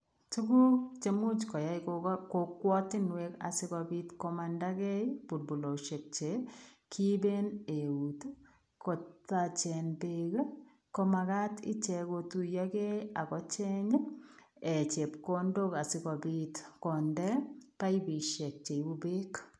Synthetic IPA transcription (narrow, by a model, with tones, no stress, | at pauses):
tu˦ku˦t͡ʃe˨mu˦t͡ʃkɔ˨ja˨˦ikkokwɔ˦tɪ˦nwe˦ka̰sɪ˦kɔ˧bi˦tkomanda˦kɛ˦b̥u˨ɾbu˨lo˨ʃe˨k̚t͡ʃe˨ | kʰi˦be˦ne˨u˨t | ko˨tat͡ʃɛ˨nbe˦k | ko˦ma˨ka˦tḭ˦t͡ʃɛ˨ko˧tu˨ja˦kɛ˦a˨kɔ˦t͡ʃɛ˦ɲ | e˨t͡ʃe˨pko˦ndo˦ka˨sɪ˦kɔ˨bi˦tkɔ˨ndɛ˦pa˦ibi˨ʃɛ˨k̚t͡ʃe˨ibu˦be˦k